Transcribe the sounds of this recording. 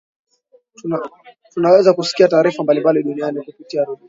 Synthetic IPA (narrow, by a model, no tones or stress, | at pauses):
tunawɛzakusi̥kiataːɾifambalimbaliɗunianikupitiaɾuɗi